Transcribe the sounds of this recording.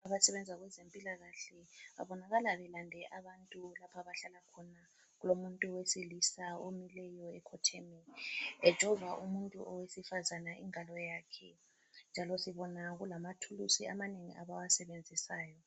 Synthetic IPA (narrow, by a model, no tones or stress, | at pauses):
aβasɛβɛnd͡zʱaɣwɛzempʼilaɣaɬɛβa̰βɔnaɣalaβɛlandʱɛʔaβantʼulapʰaβaɬalakʰɔna | ɣulomuntʼuwesilisaomilɛjɔɛkʰɔtʰɛmɛɛd̥ʒ̥ʱɔvaʔumuntʼṵʔɔwesifazanaʔiŋalɔjaːkʰɛ | nd͡ʒʱalɔsiβɔnaɣulamatʰulusiamaneŋḭʔa̰βawasɛβend͡zʱisaːjɔ